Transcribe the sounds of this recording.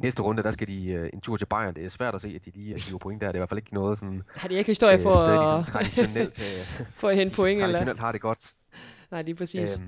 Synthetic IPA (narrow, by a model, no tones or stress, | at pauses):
nesd̥əʁɔ̽nd̥əd̥æsɡ̥ædie̝nt͡sʰuɐ̰t͡sʰe̝lb̥ɑ̈ɪ̰ɐnd̥e̝æɐsʋæɐ̰̥æse̝̰ːæd̥̚iliːɡ̥iʊɐpʰoeŋ̰d̥æɐdeʋæɐfæle̝ɡ̥nɔ̽ːð̞ˠsɒ̽nhɑd̥eeɪɡ̥histo̝ɐ̰jəfɒɑ̥ienel̰ʰfɒhenpʰoeŋ̰elɐnel̰d̥hɑ̈ɾ̥e̝ɡ̥ɒ̽d̥ | nɑ̈ɪ̰liːpʰʁɛsḭːs